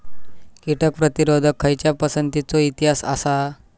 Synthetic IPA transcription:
kiʈək̚pɾət̪iɾod̪ʱəkʰːəjt͡ɕjapəsənt̪it͡soit̪iɦasa̰sa

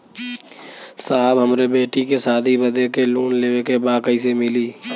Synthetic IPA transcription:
saːbɦəmɾebeːʈikesaːd̪ʱibəd̪ekeluːnleːʋekebaːkəisemɪliː

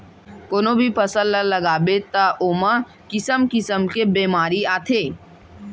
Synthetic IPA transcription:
koːnobʱipɐsəllːalɐɡaːbet̪aʔoːmã | kɪsəmkɪsəmkebeːmaːɾiaːt̪ʰeː

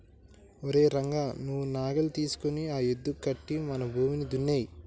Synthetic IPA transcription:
oɾe̞ːɾɐŋɡaːnuʋunaːɡɐlut̪iːsu̥koniaːjed̪ːukːɐʈːimɐnɐbʱuːminid̪unːeːji

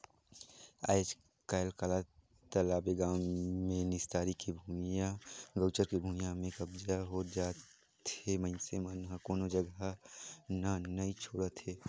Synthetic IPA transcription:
a̰ːed͡ʒ | kalkala | t̪əlaːbeɡãːmːẽnɪst̪aːɾikebʱuːmijãɡəːt͡ʃəɾkebʱuːmijãmẽkɐbd͡ʒaɦoːd͡ʒaːt̪ | emənsemanɦakoːnod͡ʒəɡ | nanɐit͡ʃʰoːɽət̪ɦeː

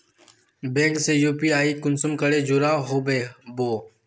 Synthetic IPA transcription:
bẽːŋkseːjuːpiːaːiːkʊnsəmkəɽeːd͡ʒʊɾaːɦoːbeːboː

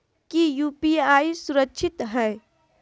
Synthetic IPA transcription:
kijuːpiaːisuɾəkːʃʰɪt̪ɦɛː

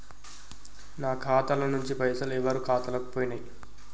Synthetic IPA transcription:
naːkʰaːt̪ɐlɐnuɲt͡ʃipɐjsɐlɛʋɐɾukʰaːt̪ɐlɐkupoːjinaj

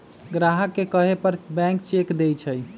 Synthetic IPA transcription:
ɡɾaɦəkːekəɦepəɾbɛ̃ŋkt͡ʃekd̪ejt͡ʃʰəj

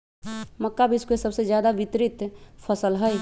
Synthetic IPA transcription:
məkːabʱiskesəbsed͡ʒjaːd̪aʋɪt̪ɾɪt̪pʰəsəlɦəj

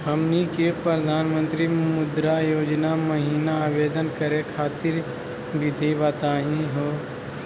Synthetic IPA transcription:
ɦəmnikepɾəɾəd̪ʱaːnmə̃nt̪ɾimʊd̪ɾajoːd͡ʒnaməɦiːnaːbeːd̪ənkəɾekʰaːt̪ɪɾ | bɪd̪ʱibət̪aːɦĩɦoː

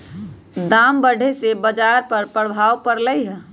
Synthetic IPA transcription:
d̪aːmbəɽʱesebəd͡ʒaɾpəɾpəɽbʱaːwpəɾləiɦɛ

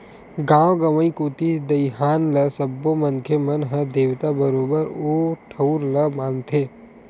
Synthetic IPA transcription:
ɡãːwɡɐʋəĩkoːt̪id̪ɐjɦaːnlɐsɐbːomɐ̃nkʰemɐnɦəd̪eːʋt̪abəɾoːbəɾoːʈʰɐuɾlɐmãːnt̪ʰeː

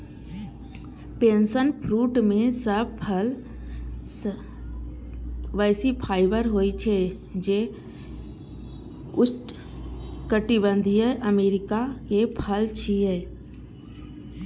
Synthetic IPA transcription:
peːnsənpʰɾuːʈmẽsəb̚pʰəl | ʋəːsipʰaːɪbəɾɦoːit͡ʃʰe | d͡ʒe | ʊt͡ʃ | kəʈɪbə̃nd̪ʱiəʔəmeːɾɪkakepʰəlt͡ʃʰiɦeː

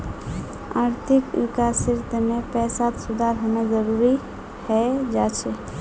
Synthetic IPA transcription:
aɾt̪ʰikikasiɾt̪əmepɛsat̪sud̪ʱaɾɦonad͡ʒəɾuɾi | hɛd͡ʒat͡ʃʰɛ

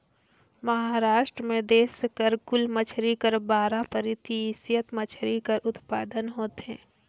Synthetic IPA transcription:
mɐɦaɾaːʃʈɾəmẽd̪eːsekəɾkʊlmət͡ʃʰɾikəɾbaːɾapəɾɪt̪isjət̪mət͡ʃʰɾikəɾʊt̪paːd̪ənɦoːt̪eɦɛ̰̃ː

